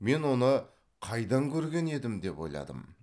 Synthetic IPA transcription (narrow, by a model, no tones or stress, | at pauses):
me̞nwo̞nə | qʰɑjd̪ɑŋkʲʰɵɾɡʲe̞ne̞d̪ɪmd̪e̞pwo̞jlˠɑ̰d̪ə̰m